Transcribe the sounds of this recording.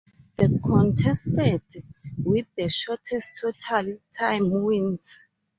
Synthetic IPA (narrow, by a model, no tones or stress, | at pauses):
ðekʰɔ̃ntʰɛstɛdwiθːəʃɔtʰɛstʰːotʰaltʰãjmwĩnz